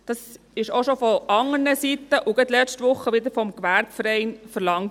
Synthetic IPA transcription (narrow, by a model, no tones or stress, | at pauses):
d̥ɑs | ɪʃoʃofɔʔɑŋəɾnəsit̪ːəʔʊɡəd̪lɛt͡ʃtʋʊχːəʋɪd̪əɾfɔmkʋæɾbfəɾɛɪnfəɾlɑŋt